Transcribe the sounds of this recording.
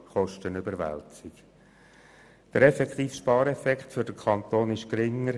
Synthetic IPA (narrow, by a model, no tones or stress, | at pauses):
χɔʃtənʏbəɾʋæ̰lt͡sɪk | d̥əɾɛfɛkχt̪iːfʃpɑːɾɛfɛkχtfʏɾd̥əkʰɑnt̪oːnɪʃkɾɪŋːəɾ